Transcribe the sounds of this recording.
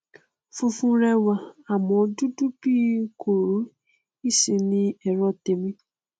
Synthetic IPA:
fu˧fũ˧ɾɛ˧wa˨a˨mɔ̃˨˦du˦du˦bi˦kʰo˨ɾo˨˦ | i˦˨si˨nĩ˧ɛ˨ɾɔ˧˦te˨mĩ˧

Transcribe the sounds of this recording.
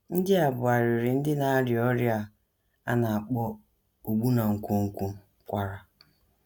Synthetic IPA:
n̩˦dɪ˦a˨bʊ˨a˨ɾʊ˨ɾɪ˨n̩˦dɪ˦na˨˦ɾjɔ˦ɾja˦ | a̰˦na˨a˨k͡pɔ˦ | o˨ɡ͡bu˦na˨ŋ̩˨kʷo˦ŋ̩˦kʷu˦ | kʷa˨ɾa˨

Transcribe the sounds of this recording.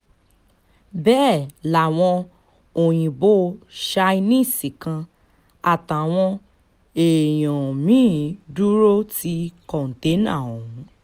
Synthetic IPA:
bɛː˦˨la˨w̃ɔ̃˧ | o˨j̃ĩ˨bo˦ʃa˧i˧nĩ˦˨sĩ˨kã˧ | a˨ta˨w̃ɔ̃˧ | e˨j̃ɔ̃˨mĩ˦du˦ɾo˦ti˧kɔ˨n̩˨te˨˦nã̰˦˨o˨ɦũ˨˦

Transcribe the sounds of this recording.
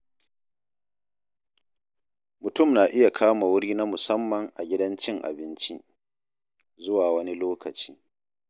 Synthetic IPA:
mʊ˨tʊ˦˨mnaː˨ʔɪ˦ja˨kʰaː˦ma˨wʊ˦ɽiː˦na˦mʊ˨sɐ˦mːɐ˨ŋʔa˨ɡʲɪ˦dɐ˦nt͡ʃɪ˦ŋʔa̰˨bɪ˦nt͡ʃi˦ | zʊ˦waː˨wɐ˦ni˦loː˦kɐ˨t͡ʃi̥ː˦

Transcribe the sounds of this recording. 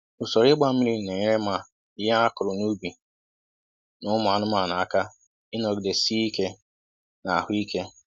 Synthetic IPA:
ʊ˨sɔ˨ɾɪ˦ɡ͡ba˦m̩˦mi˦ɾi˦˨ne˨ɲe˦ɾe˦ma˦˨ | ɪ˦ja˦a˦kʊ˨ɾʊ˨nu˦bi˨ | nʊ˦mʊ˨a˨nʊ˦ma˦˨na˨a˨ka˦ | ɪ˦nɔ˨ɡde˨si˦i˦ke˦ | na˨a˨hʊ˦i˦ke˦

